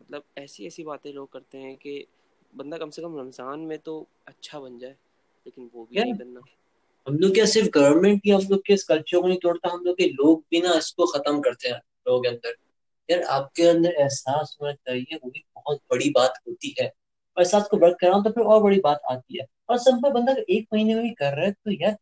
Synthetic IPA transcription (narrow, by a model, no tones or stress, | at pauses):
mɐt̪ləb̚ɛːsiɛːsibaːt̪ẽloːɡ̚kɐɾt̪eɦɛ̃ke | bɐ̃nd̪akɐmsekɐmɾɐmsaːnmẽt̪o | ɐtːʃʰabɐnd͡ʒaːɛ | leːkɪnʋoːbʱikaːɐna | ɦɐmloːɡkejasɪɾfɡɐʋəɾmɛ̃ɳʈ̚kiɦɐmloːɡ̚keɪskɐlt͡ʃəɾkonɐ̃ĩt̪oːɽt̪aɦɐmloːɡ̚keloːɡ̚bʱinaɪskoxɐt̪əmkɐɾt̪eɦɛ̃ | loːɡkeɐ̃nd̪əɾ | jaɾa̰ːp̚keɐ̃nd̪əɾɛɦsaːsomẽkɐɾieʋoːɦibɐɦʊt̪̚bɐɽibaːt̪ɦoːt̪iɦɛː | ɔːɾɪsaːskoʋɐɾk̪̚kːɐɾãːt̪̬opʰɪɾɔːɾbɐɽibaːt̪a̰ːt̪iɦɛː | ɔːɾsɐbpəbɐ̃nd̪akʔeːk̚mɐɦiːneebikɐɾːɐɛt̪ojaɾ